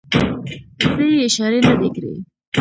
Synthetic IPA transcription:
sejɪʃɑɾenad̪ekɾḛ

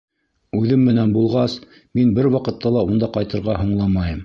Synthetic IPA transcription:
ʉðɘmːɘ̆nænbulˠʁɑs | minbɘɾwɑqɤ̆t̪ːɑlˠɑund̪ɑqɑjt̪ɤ̆ɾʁɑɦŭɴlˠɑmɑjɤm

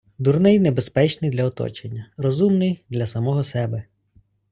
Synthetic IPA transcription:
d̪urnɪjnebespɛt͡ʃnɪjd̪lʲɐɔt̪ɔ̰t͡ʃenʲːɐrɔzumnɪjd̪lʲɐsɐmɔɦɔsɛbɛ

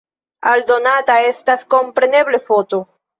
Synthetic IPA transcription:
aldo̞natae̞stasko̞mpɾe̞ne̞ble̞fo̞to̞

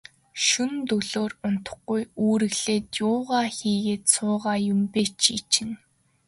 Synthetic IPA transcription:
ʃunt̪ɵɮoːrʊn̥t̪ə̆χɡ̥ujuːɾɘ̆ɣɮeːt̪jʊːʁaːxiːɣeːt̪sʊːʁaːjʊmpeːt͡ɕʰit͡ɕɪ̆ŋ

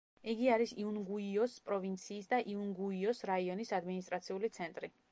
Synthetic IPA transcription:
iɡiaɾisiunɡuiɔspʼɾɔvint̪sʰiːsd̪aʔiunɡuiɔsɾaiɔnisad̪minis̬t̪ʼɾat̪sʰiulit̪sʰɛnt̪ʼɾi

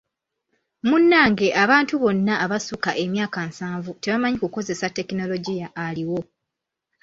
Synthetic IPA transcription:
munːaːŋɡe̞ʔaβaːntuβo̞nːaʔːβasukaʔe̞mjaːkansaːɱvute̞βamaɲikuko̞ze̞satːe̞kino̞lo̞ɟijaʔːliwo̞

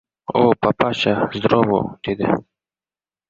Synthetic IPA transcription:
opapaɕazd̪ɾowo̰t̪id̪ḛ

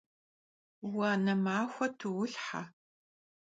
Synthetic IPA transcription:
waːnɐmaːxʷɐtʰuwʊɬħa̰

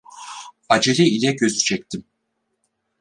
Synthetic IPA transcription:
ad͡ʒelʲiilʲɛɟø̞zyt͡ʃʰɛc̚t̪ʰim

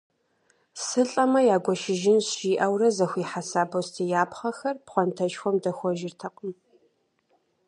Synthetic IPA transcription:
sɨɬʼɐmɐjaːɡʷɔʃɪʒɪnɕiːʔɐwrɐzɐxʷiːħasaːbostʰiːjaːpχɐxɐrpχʷɔntʰɐʃxʷɔmdɐxʷɔʒɪrtʰɐqʼəm

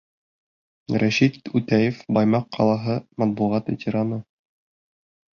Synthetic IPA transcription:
ɾæʃit̪ʉt̪æjefbɑjmɑqːɑlˠɑɦɤmæt̪̚buʁɑt̪vet̪ʲeɾanɤ

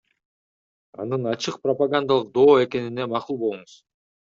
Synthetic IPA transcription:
ɑ̰nɯnɑt͡ʃɯq̚prɐpaɡand̪alˠɯq̚d̪o̞ːe̞ke̞ninemɑqulˠbo̞lˠuɴuz̥

